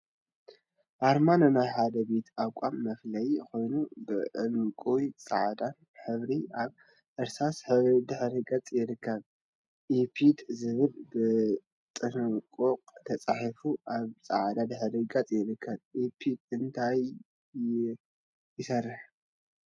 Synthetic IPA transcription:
ʔaɾmanɨnajħad̪ɐbe̞t̪ʰawkʷʼamːɐflɐjko̞jnubɨʔɨlkʼuwit͡sʼaʕd̪an | ħɨβɾiʔaβ | ʔɨɾsasħɨβd̪ɨħɾiɡʼɐt͡sʼjɪɾɨkːɐβ | ʔipʰid̪zɨβɨlbɨ | t̪ʼɨnɨkʼoqʼt̪ʰɐt͡sʼaħifuʔaβt͡sʼaʕd̪ad̪ɨħɨɾiɡʼɐt͡sʼjɪɾɨkʰːɐβʔipʰid̪ɨnt̪ʰaj | jɪsɐrːɨħ

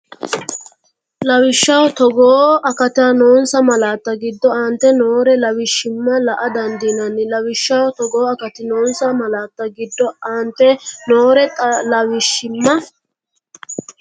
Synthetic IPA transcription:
lɐwɪʃːɐwt̪ɔɡoːɐkɐt̪ɪanoːnsɐmɐlaːt̪ːɐɡɪd̪ːɔaːnt̪ːɛnoːɾɛlɐwɪʃːɪmːɐlɐʔɐd̪ɐnd̪iːnɐnːɪlɐwɪʃːɐwt̪ɔɡoːɐkɐt̪ɪnoːnsɐmɐlaːt̪ːɐɡɪd̪ːɔant̪ːɛnoːɾɛt̪ʼlɐwɪʃːɪmːɐ

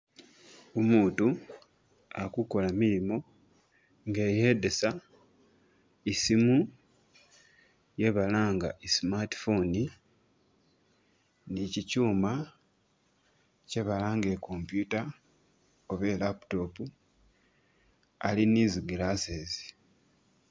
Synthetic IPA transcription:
omuːtu | akuko̞lamiɾimo̞ | ŋɡe̞jedesa | isimu | je̞βalaːŋɡa̰ʔesimati̥foni | nicicuːma | ce̞βalaːŋɡe̞ko̞mpjuta | oβe̞lapu̥to̞pu | aliniːziɡilaseːzi̥

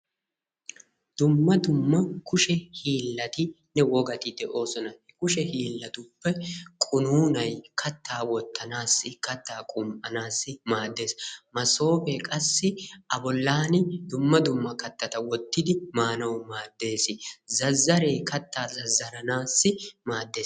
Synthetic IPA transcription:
d̪̥ʊmːɐd̪ʊmːɐkʊʃɛhiːlːɐt̪ɪ | nɛwɔɡɐt̪ɪd̪ɛʔo̞ːsɔnɐ | kʊʃɛhiːlːɐt̪ʊpːɛkʼʊnuːnɐjkʰɐt̪ːaːwɔt̪ʰːɐnaːsːɪkɐt̪ːaːkʼʊmʔɐnaːsːɪmaːd̪ːe̞ːsmɐso̞ːfɛkʼɐsːɪɐbɔlːaːnɪd̪ʊmːɐd̪ʊmːɐkɐt̪ːɐt̪ɐwɔt̪ːɪd̪ɪmaːnɐwmaːd̪ːe̞ːsɪzɐzːɐɾe̞ːkɐt̪ːaːzɐzːɐɾɐnaːsːɪmaːd̪ːe̞ːs

